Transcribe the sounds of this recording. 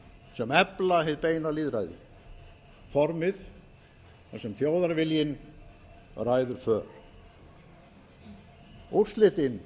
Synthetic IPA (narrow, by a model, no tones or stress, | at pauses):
sɛmɛplahejt̪̚peːjnaliːðɾajðɪ̰ | fɔɾmɪθ | θasɛmθjoːwðaɾvɪljɪn | rajðʏɾ̥fœːɾ̥ | ur̥st̪lɪːt̪ɪn